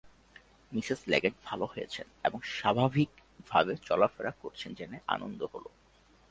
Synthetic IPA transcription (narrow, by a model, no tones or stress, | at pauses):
misizlɛ̰ɡeɳʈbʱaloɦojet͡ɕʰeneboŋʃabʱabʱik | bʱa̰bet͡ɕɔlafeɾakːoɾt͡ɕʰend͡ʑeneʔa̰no̰nd̪oholo̰